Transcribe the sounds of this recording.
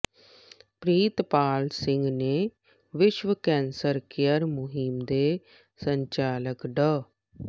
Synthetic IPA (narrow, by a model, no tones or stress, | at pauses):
pɾiːt̪paːlsɪ̃ŋɡneː | ʋɪʃʋəkɛ̃ːnsəɾkejəɾmʊɦimd̪eː | səɲt͡ʃaːləkɖəː